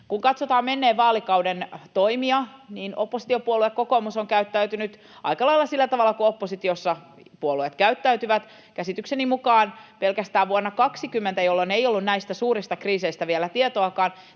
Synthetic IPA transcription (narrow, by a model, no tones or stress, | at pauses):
kuŋkɑt̪sot̪ɑːmenːeːʋʋɑːlikɑwdent̪oimiɑniːno̰pːosi̥t̪iopuoluekokomusoŋkæyt̪ːæyt̪ynyt̪ | ɑ̰ikɑlɑilːˑɑsilːæt̪ɑʋɑlːˑɑkuopːosit̪iosːɑ | puoluet̪kæyt̪ːæyt̪yʋæt̪ | kæsit̪yksenimukɑːnpelkæst̪æːʋuonːɑkɑksikymːent̪æjolːoneiolːunnæist̪æsuːɾist̪ɑkriːseist̪æʋielæt̪iet̪oɑkɑːn